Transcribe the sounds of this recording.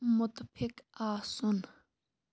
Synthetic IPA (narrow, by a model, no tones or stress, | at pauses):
mʊt̪pʰɪkaːsʊn